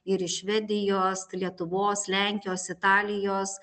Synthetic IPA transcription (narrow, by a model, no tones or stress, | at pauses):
ɪɾɪʃʲʋʲɛd̪ʲɪjoːslʲiɛt̪ʊʋoːslʲɛŋʲkʲɪjoːsɪt̪ɑːlʲɪjoːs